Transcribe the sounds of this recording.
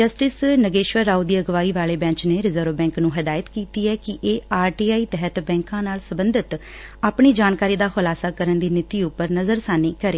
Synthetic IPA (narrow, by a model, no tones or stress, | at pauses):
d͡ʒəsʈɪsnəɡeːʃʋəɾːaːud̪iːəɡʋaːiːʋaːleːbɛ̃ːɲt͡ʃneːɾɪzəɾʋbɛ̃ːŋknũːɦɪd̪aːjət̪kiːt̪iːɛːkɪʔeːaːɾʈiːaːiːt̪ɛɦət̪bɛ̃ːŋkãːnaːlsəbənd̪ɪt̪ | aːpɳiːd͡ʒaːnkaːɾiːd̪aːhʊlaːsaːkəɾənd̪iːnɪt̪iːʊpːəɾnəzəɾsaːniːkəɾeː